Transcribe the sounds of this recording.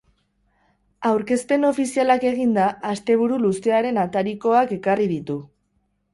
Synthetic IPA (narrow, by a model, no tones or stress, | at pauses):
awɾke̞spe̞no̞fisialake̞ɣ̞ind̪aːst̪e̞β̞uɾuluse̞aɾe̞nat̪aɾiko̞ake̞kariðit̪u